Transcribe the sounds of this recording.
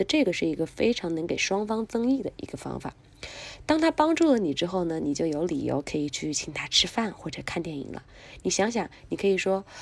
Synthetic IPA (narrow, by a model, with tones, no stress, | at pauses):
ə˧ʈ͡ʂɤ˥˩ɡə˩ʂɻ̩˥˩i˧˥ɡə˧fe˥ɪʈ͡ʂʰɑ˧˥ŋnɤ˧˥ŋke˨˩ɪʂwɑ˥ŋfɑ˥ŋt͡sɤ˥ŋi˥˩d̪ə˩ʔḭ˧˥ɡ̥ə˧fɑ̰˥ŋfa̰˨˩˦ | t̪ɑ˥ŋt̪ʰa˥pɑ˥ŋʈ͡ʂu˥˩lə˩ni˨˩ʈ͡ʂɻ̩˥xo˥˩ʊnə˩ni˨˩t͡ɕjo˥˩ʊjo˧˥ʊlḭ˨˩jo̰˧˥ʊkʰɤ˧˥i˨˩t͡ɕʰy˥˩t͡ɕʰi˨˩ŋt̪ʰa˥ʈ͡ʂʰɻ̩˥fa˥˩nxwɔ˥˩ʈ͡ʂɤ˨˩˦kʰa˥˧nt̪jɛ˥˩nḭ˨˩lə̰˦ | ni˨˩ɕjɑ˧˥ŋɕ̬jɑ˨˩˦ŋni˨˩kʰɤ˧˥i˨˩ʂwɔ˥